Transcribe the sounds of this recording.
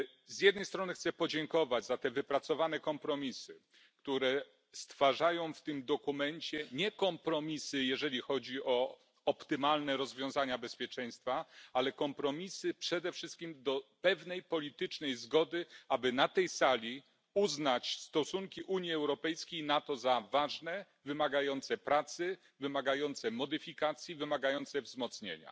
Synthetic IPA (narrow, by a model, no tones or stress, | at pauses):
zʲjɛd̪nɛjst̪ɾɔnɘxt̪sɛpɔd͡ʑɛŋkɔvad͡ʑzat̪ɛvɘpɾat̪sɔvanɛkɔmpɾɔmʲisɘ | kt̪uɾɛ | st̪faʐajɔ̃w̃ft̪ɘmd̪ɔkumɛɲt͡ɕɛɲɛkɔmpɾɔmʲisɘjɛʐɛlʲixɔd͡ʑiɔ | ɔpt̪ɘmalnɛɾɔzvʲjɔ̃w̃zaɲabɛspʲjɛt͡ʂɛj̃st̪faalɛkɔmpɾɔmʲisɘpʂɛd̪ɛfʂɘst̪̚kʲimd̪ɔpɛvnɛjpɔlʲit̪ɘt͡ʂnɛjzɡɔd̪ɘabɘnat̪ɛjsalʲi | uznat͡ɕst̪ɔsuŋkʲiʔuɲjiɛwɾɔpɛjskʲejnat̪ɔzavaʐnɛ | vɘmaɡajɔnt̪sɛpɾat̪sɘ | vɘmaɡajɔnt̪sɛmɔd̪ɘfʲikat̪sʲjivɘmaɡajɔnt̪sɛvzmɔt̪sɲḛɲa̰